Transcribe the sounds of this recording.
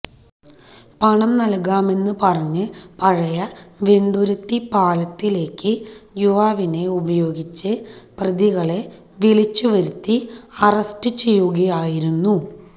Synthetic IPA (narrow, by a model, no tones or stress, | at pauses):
pɐɳɐmnɐlkaːme̞nːɨpɐrɐɲːɨpɐɻɐjɐʋeɳɖuɾut̪ːipaːlɐt̪ːile̞ːkːɨjuʋaːʋine̞ubɐjo̞ːɡit͡ɕːɨprɐðiɣɐɭe̞ | ʋilit͡ɕːuʋɐɾut̪ːiɐrɐstɨt͡ɕe̞jːuɣɐjaːjiɾunːu